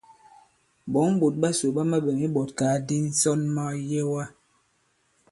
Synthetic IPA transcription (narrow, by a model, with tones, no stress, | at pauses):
bɔ˨˦ŋ˦bu˨t̚ɓa˦su˨ɓa˦ma˦ɓɛ˨mi˦ɓɔ˨t̚kaː˨˦di˦n̩˦sɔ˦nma˦je˦wa˦